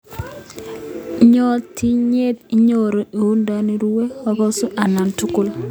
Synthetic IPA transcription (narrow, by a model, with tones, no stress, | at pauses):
ɲo˦ti˦ɲe˦ti˦ɲoɾo˨ʔi˨hu˦nda˦ni˦ɾu˦we˦wa˦ko˦su˦ʔa˨na˨ntu˦ku˦l